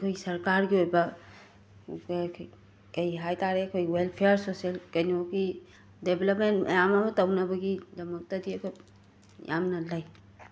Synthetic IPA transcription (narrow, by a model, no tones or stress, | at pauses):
kʰojsɐɾkaɾɡiojbɐ | kɐjɦajtaɾeɐkʰojwelpʰejɾsoselkɐjnioki | debelɐp̚mentmʔɐ̰jamɐmɐtɐwnɐbɐɡidɐmɐk̚tɐdiɐkʰoj | ja̰mnɐlɐj